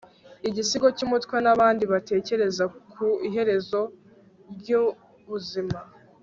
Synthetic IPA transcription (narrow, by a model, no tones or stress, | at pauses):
iɟisiɡo̞cumutkwenaβaːndiβate̞ːce̞ɾe̞zakʰuiɦe̞ɾe̞zo̞ | ɟu | βuzima